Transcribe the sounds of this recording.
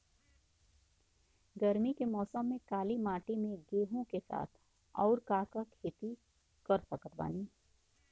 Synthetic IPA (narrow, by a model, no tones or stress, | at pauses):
ɡɐɾmikemɔːsəmːẽkaːlimaːʈimẽɡeːɦõkesa̰ːt̪ʰ | ɔ̰ːɾkaːkakʰeːt̪i | kɐɾsəkət̪̚ʰba̰ːniː